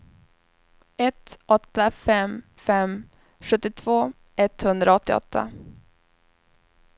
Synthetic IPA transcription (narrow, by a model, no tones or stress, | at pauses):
ɛt̪ɔt̪ːafɛm | fɛm | ɧɵt̪ːɪt̪ʰv̥oː | ʔɛt̪hɵnd̪ɾaɔt̪ːɪ̰ɔ̰t̪ːa̰